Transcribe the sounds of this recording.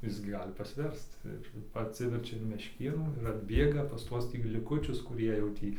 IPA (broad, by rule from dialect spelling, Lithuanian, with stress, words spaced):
ˈɪs ɡʲɪ ˈɡɑːlʲɪ pɐsʲˈʋʲɛrst͡s ɪr ɐtʲˈsʲɪʋʲɛrʲt͡ʃʲɛ ɪn mʲɛʃʲˈkʲeːnuː ɪr ɐdʲˈbʲeːɡɐ pɐs ˈtuɔs lʲɪˈkʊt͡ʃʲʊs kʊˈrʲiɛ jɛʊ ˈtʲiː